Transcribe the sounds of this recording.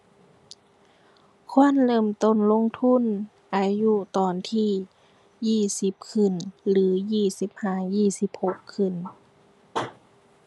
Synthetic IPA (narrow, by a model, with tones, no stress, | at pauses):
kʰu˧˥˨ə˨nlɤː˧˩˨mt̪o˧˥˨nlo˧˥˨ŋt̪ʰu˧˥˨n | ʔaː˧ju˧˥t̪ɔː˨˩nt̪ʰiː˧˩ | jiː˧˩si˧˦p̚kʰɯ˧˩˨nlɯː˨˦jiː˧˩si˨˦p̚haː˧˩jiː˧˩˨si˧˦p̚ho˧˦kʰːɯ˧˩n